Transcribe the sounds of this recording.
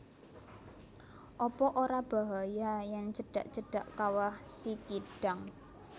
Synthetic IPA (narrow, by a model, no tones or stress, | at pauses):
ʔɔpɔʔoɾab̥a̤ɦajajɛŋt͡ʃəɖ̥a̰ʔt͡ʃəɖ̥a̤ʔkawahsit̪iɖ̥a̤ŋ